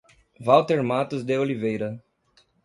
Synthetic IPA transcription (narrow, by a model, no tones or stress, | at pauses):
vawt̪eɾmat̪ʊzd̪eolivejɾɐ